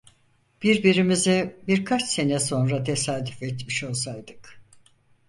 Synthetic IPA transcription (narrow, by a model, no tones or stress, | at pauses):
b̥iɾbiɾimizibiɾkʰat͡ʃse̞nɛso̞nɾat̪ʰe̞saːd̪yfɛt̪miʃo̞lˠsajd̪ɯk